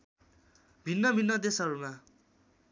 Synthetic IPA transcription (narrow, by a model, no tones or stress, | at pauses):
bʱinːʌbʱinːʌd̪esʌɾuma